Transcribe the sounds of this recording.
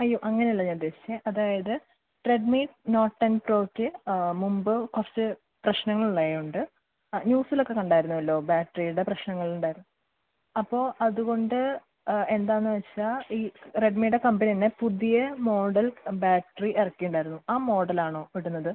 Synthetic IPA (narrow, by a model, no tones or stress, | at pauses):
ɐjːoːʔɐŋːɐneɐlːɐnird̪ːe̞ːsi̥t͡ɕːɐʔɐðaːjɐðɨ | ʈre̞ɖmiːʈno̞ːʈːɐnpro̞ːkʲːɨmumbɨkort͡ɕːɨ | prɐɕnɐŋːɐɭuɭaːjuɳɖɨ | ɲuːsilo̞kːe̞kɐɳɖaːjiɾunːuʋɐlːo̞ːbaːʈːɐrijuɽeprɐɕnɐŋːɐɭiuɳɖaːjiɾunː | ɐpːo̞ːʔɐðuɣo̞ɳɖɨ | e̞nd̪aːnːɨʋɐt͡ɕt͡ɕːaiːre̞ɖmiːɽe̞kɐmbɐnit̪ɐnːe̞puðijɐmo̞ːɽɐlbaːʈːɐriʔerɐkːijuɳɖaːjiɾunːuaːmo̞ːɽɐlaːɳo̞ːʋiɽunːɐðɨ